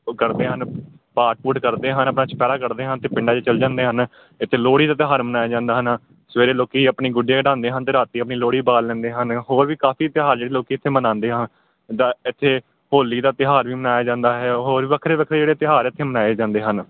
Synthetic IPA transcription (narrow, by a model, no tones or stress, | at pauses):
kəɾd̪eːɦən | paːʈ̚puːʈkəɾd̪eːɦənəpnaːt͡ʃʰpɛːɽaːkəɾd̪eːɦənt̪eːpɪɳɖaːt͡ʃet͡ʃəld͡ʒãːnd̪eːɦən | ɪt̪ʰːeːloːɽiːd̪aːt̪ɪɦaːɾmənaːjaːd͡ʒãːnd̪aːɦən | sʋeːɾeːloːkiːapɳiːɡʊɖjeːɖãːnd̪eːɦənt̪eːɾaːt̪iːəpniːloːɽiːbaːlːɛ̃ːnd̪eːɦənɦoːɾʋiːkaːpʰiːt̪ɪɦaːɾd͡ʒeːɽeːloːkiːt̪ʰːeːmənãːnd̪eːɦən | d̪aːɪt̪ʰːeː | hoːliːd̪aːt̪ɪɦaːɾʋiːmənaːjaːd͡ʒãːnd̪aːɦɛːɦoːɾiːʋəkʰɾeːʋəkʰɾeːd͡ʒeːɽeːt̪ɪɦaːɾɪt̪ʰːeːmənaːeːd͡ʒãːnd̪eːɦən